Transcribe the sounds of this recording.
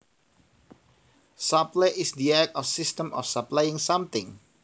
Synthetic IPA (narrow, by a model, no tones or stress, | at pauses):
sapleʔɪsd̪iɛk̚ɔfsɪstə̃mʔɔ̰fsaplajɪ̃ŋsamt̪ɪ̃ŋ